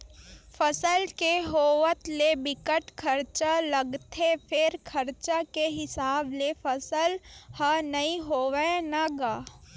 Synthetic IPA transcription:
fɐsəlkeɦoːʋət̪lebɪkəʈkʰəɾt͡ʃaləɡt̪ʰepʰɪɾkʰɐɾt͡ʃakeɦɪsaːblefɐsəlhanɐĩɦoːʋenaɡaː

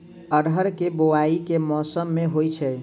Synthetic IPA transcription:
əɽəɾkeboaikemɔsəmːeɦojt͡ʃʰɛ

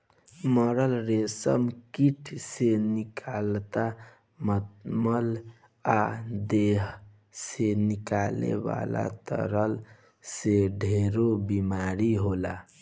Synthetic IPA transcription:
məɾəlɾesə̰mkiʈʰsenikʰalt̪a | mət̪məl | ad̪eɦ | senikalḛba̰la̰t̪ə̰ɾəl | seɖʱeɾobimaɾiɦola

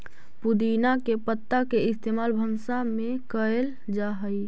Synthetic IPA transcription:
pud̪inakepət̪ːakeɪst̪eːmaːlbʱənsamẽkəel | d͡ʒaːɦəi

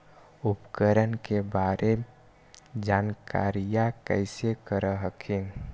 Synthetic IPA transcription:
upkəɾənkebaːɾem | d͡ʒaːnka̰ːɾijakəɪsekəɾəɦəkʰin

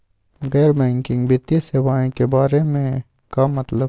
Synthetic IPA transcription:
ɣɛːɾbɛ̃ːŋkɪ̃ŋɡbɪt̪iseʋaːẽkebaːɾemẽ | kamɐt̪lə

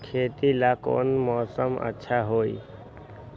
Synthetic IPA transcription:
kʰet̪ilako̰nmɔːsəmə̰tːʃʰaɦoj

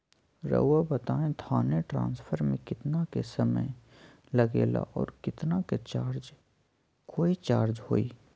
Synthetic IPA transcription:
ɾə̰ːabət̪aːẽt̪ʰaːneʈɾã̰ːnspʰəɾmẽkɪt̪nakesəmə̰j | lɐɡḛːla̰ʔɔːɾkɪt̪naket͡ʃaːɾd͡ʒ | koːit͡ʃaːɾd͡ʒhoːiː

